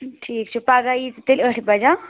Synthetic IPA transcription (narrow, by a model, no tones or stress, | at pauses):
ʈʰiːkt͡ʃʰupaɡait̪t̪ilʲəʈʰbɐd͡ʒa